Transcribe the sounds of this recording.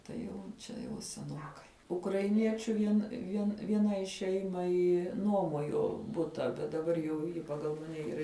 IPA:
tɐɪ ˈjɛʊ ˈt͡ʃʲɛ jɛʊ sʲɛˈnoːkɐɪ ʊkrɐɪˈnʲiɛt͡ʃʲʊ ˈʋʲiɛn ˈʋʲiɛn ʋʲiɛˈnɐɪ ˈʃʲɛɪmɐɪ ˈnuɔmoːjoː ˈbʊtɐ ˈbʲɛt dɐˈbɐr jɛʊ ˈjɪ pɐˈɡɐlˠ mɐˈnʲɛ iːˈrɐ

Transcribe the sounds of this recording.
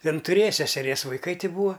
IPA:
ˈjɪn tʊˈrʲeːjɛ sʲɛsʲɛˈrʲiɛs ʋɐɪˈkɐɪ ˈtʲɪ ˈbuːɐ

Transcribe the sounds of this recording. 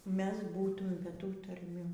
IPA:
ˈmʲɛs ˈbuːtʊm bʲɛ ˈtuː tɐrʲˈmʲuː

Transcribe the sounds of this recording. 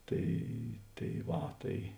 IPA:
ˈtɐɪ tɐɪ ˈʋɐ ˈtɐɪ

